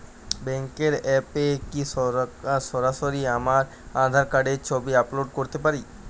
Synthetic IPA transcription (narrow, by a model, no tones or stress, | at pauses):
bɛŋkeɾɛpeki | ʃɔɾaʃoɾiamaɾ | ad̪ʱaɾkaɖeɾt͡ɕʰobiaploɖkoɾt̪epaɾi